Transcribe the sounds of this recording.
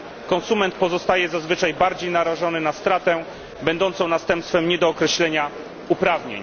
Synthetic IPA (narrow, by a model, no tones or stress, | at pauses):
kɔnsumɛnt̪̚pɔzɔst̪ajɛzazvɘt͡ʂajbaɾd͡ʑejnaɾaʐɔnɘnast̪ɾat̪ɛ | bɛnd̪ɔnt̪sɔ̃w̃nast̪ɛ̃mpst̪fɛmɲɛd̪ɔːkɾɛɕlɛɲa | upɾavɲḛɲ